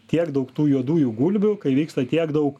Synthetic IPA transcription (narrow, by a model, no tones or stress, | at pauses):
t̪ʲiɛkd̪ɐʊkt̪uːjuɔd̪uːjuːɡulʲbʲʊkɐɪʋʲiːkst̪ɐt̪ʲiɛɡd̪ɐʊk